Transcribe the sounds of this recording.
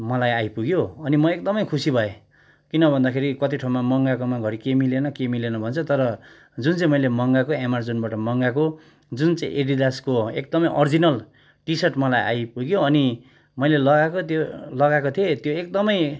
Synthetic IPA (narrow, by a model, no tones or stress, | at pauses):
mʌlajajpuɡjoʌnimʌek̚d̪ʌmʌjkʰusibʱʌe | kinʌbʱʌnd̪akʰeɾikʌt̪iʈʰamamʌŋɡakomaɡʱʌɾikemilenʌkemilenʌbʱʌnt͡sʰʌt̪ʌɾʌ | d͡zunt͡sãĩmʌjlemʌŋɡakoemard͡zonbaʈʌmʌŋɡako | d͡zunt͡saḭ̃ʔeɖid̪askoek̚d̪ʌmʌjʔʌrd͡zinʌl | ʈisʌʈmʌlajʔa̰jpuɡjoʌni | mʌjlelʌɡakot̪jolʌɡakot̪ʰiet̪joekd̪ʌmʌj